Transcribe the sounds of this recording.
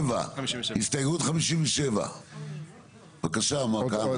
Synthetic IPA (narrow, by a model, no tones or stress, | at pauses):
va̰hist̪ɐjʁut̪χamiʃimveʃeva̰ | vakaʃamaka